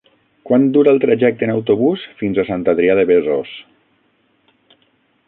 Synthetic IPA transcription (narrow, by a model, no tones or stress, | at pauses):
kwand̪uɾəlˠt̪ɾaʒɛk̚t̪əenawt̪oβusfinzasant̪aðɾiaðeβezos